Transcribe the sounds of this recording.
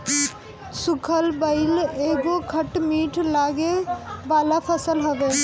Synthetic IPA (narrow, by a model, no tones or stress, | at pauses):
sʊkʰəlbəɪleːɡokʰəʈmiːʈʰlaːɡebaːlapʰəsəlɦoʋeː